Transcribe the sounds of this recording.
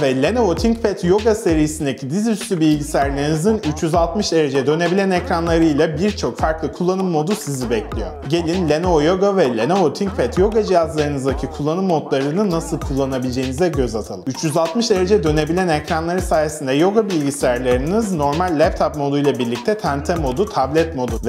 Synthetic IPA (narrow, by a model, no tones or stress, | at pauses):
vɛlʲenovot̪ʰiɲcpʰɛt̪jo̞ɡase̞ɾijiind̪ecʰid̪izyst̪ybilʲɟisʲæɾlʲeɾinizinyt͡ʃjyzalˠt̪mɯʃd̪e̞ɾe̞d͡ʒɛd̪ø̞ne̞bilʲænecɾanlˠaɾɯjlˠabiɾt͡ʃʰo̞kfaɾklˠɯkʰulˠːanɯmːo̞d̪usizibɛclʲijo̞ɟe̞lʲinlʲenojo̞ɡavɛlʲenoot̪ʰiɲkpɛt̪jo̞ɡad͡ʒijazlˠaɾɯnɯzd̪acʰikʰulˠːanɯmːo̞d̪lˠaɾɯnɯnasɯlˠkʰulˠːanabilʲd͡ʒe̞jinizd̪ɛɟø̞zat̪ʰalˠɯmyt͡ʃjyzalˠt̪mɯʃd̪e̞ɾe̞d͡ʒɛd̪ø̞ne̞bilʲænɛcɾanlˠaɾɯsaːje̞sind̪ɛjo̞ɡabilʲɟisɛjɾlʲeɾinizno̞ɾmalʲːɛp̚t̪ʰap̚mo̞d̪ujlˠabiɾlʲic̚t̪ʰɛt̪ʰænt̪ʰɛmo̞d̪ut̪ʰablʲɛt̪mo̞d̪uv